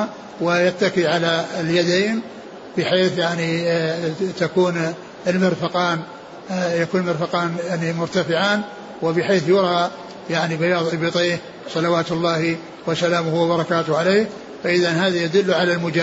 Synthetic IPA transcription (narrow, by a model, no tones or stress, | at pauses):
wɪjat̪ːakiʕalaɪljad̪eːn | bɪħeːθjaʕni | t̪akuːn | ɪlmɪɾfaqɑːn | jakuːnlmɪɾfaqɑːnjaʕnimʊɾt̪afɪʕaːn | wɪbɪħeːθjʊɾˤɑ | jaʕnibajɑːðˤʔɪbit̪ˤiːh | sˤɑlawaːt̪lˤːɑːhi | wasalaːmʊhwabɑɾˤɑkaːt̪ʊhʕalejh | faʔɪðanhaːðajad̪ʊlːʕalalmʊd͡ʒaː